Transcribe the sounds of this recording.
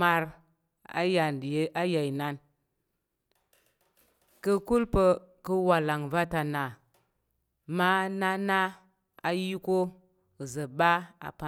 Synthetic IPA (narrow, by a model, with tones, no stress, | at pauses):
ma˧ɾ | a̰˦ja˨˦a˦ja˨i˨na˦n | kə˧ku˦lpə˧kə˦wa˨la˨ŋva˦ta˨na˨ | ma˦na˦na˦ | a˨ji˦ko˦˨ | zə˨ba˦a̰˨pa˨